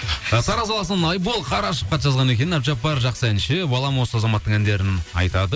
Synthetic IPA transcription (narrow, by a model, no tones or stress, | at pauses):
t̪ʰɑɾɑzɑlˠɑsənɑjbolˠqʰɑɾɑʃəp̚qɑt̪ʒɑzʁɑne̞kʲe̞nɪnɑpʒɑp̚bɑɾʒɑqsəænʃɪbɑlˠɑmwosəɑzɑmɑt̪ːəɴænd̪e̞ɾɪnɑ̰jt̪ɑd̪ə